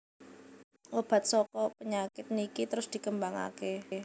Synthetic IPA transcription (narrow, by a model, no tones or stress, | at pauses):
ʔob̥a̤t̪̚sɔkɔpəɲakɪt̪̚nikit̪əɾʊsd̪̥i̤kəmbaŋa̰ke